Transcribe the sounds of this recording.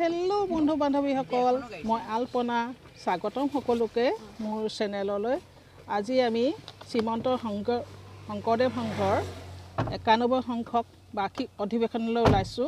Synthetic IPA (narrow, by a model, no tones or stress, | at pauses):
hɛlobɔndʱubandʱɔbixɔkɔlmojalpɔna | saɡɔtɔmxɔkɔlʊkɛmʊɹsɛnɛlɔloj | aziamisimɔntɔŋɔxɔŋkɔɹdɛmxɔŋɡʰʱɔɹ | ɛkanɔbɔjxɔŋkʰɔk̚ | bakʰiɔdʱibekʰɔnɔlojulajsʊ̃